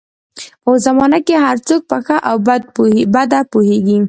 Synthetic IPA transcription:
ozamɑnakeɦaɾt͡sok̚pəxəʔawbd̪̚bad̪apoheɡi

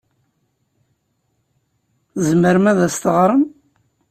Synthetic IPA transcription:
zməɾmæðæst̪əʁɾˤəm

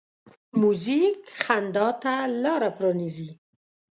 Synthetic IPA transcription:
muzikχand̪ɑt̪alɑɾapɾɑnizi

